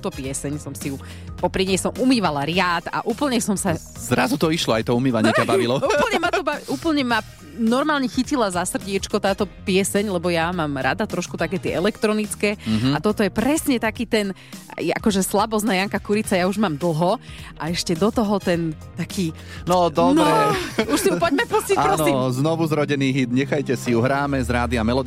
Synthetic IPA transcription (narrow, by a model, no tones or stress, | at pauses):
ut̪ɔpɪɛsɛɲsɔmsiu | pɔpɾiɲɛjsɔmʔumiːʋalaɾɪaːt̪a̰ʔuːpl̩ɲɛsɔmsa | zɾazut̪ɔiʃlɔajt̪ɔumiːʋaɲɛabaʋilɔuːpl̩ˠɲɛmat̪ɔbaʋiʔuːpl̩ɲɛma | nɔɾmaːlɲɛxicilazasr̩ɟɪɛt͡ʃkɔt̪aːt̪ɔpɪɛsɛɲlɛbɔjamaːmɾa̰d̪at̪ɾɔʃkut̪akɛːt̪ɪɛʔɛlɛkt̪ɾɔnit͡skɛːat̪ɔt̪ɔjɛpɾɛsɲɛt̪akiːt̪ɛn | jɛa̰kɔʒɛslabɔznajaŋkakuɾit͡sajauʒmaːmd̪l̩ˠɦɔʔaɛʃcɛd̪ɔt̪ɔɦɔt̪ɛnt̪akiː | nɔd̪ɔnɛɛuʃsipɔɟmɛpuscicapɾɔɔsiznɔʋuzɾɔɟɛniːɦid̪ɲɛxajcɛsijuɦɾaːmɛzɾaːd̪iamɛlɔd̪